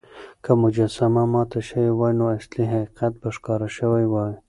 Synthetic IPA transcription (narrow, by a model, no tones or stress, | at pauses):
kʰamʊd͡ʒasamamɑːt̪aʃəwiwɑjnoasliɦaqiqat̪̚baʃkɑːɾaʃəwajwɑj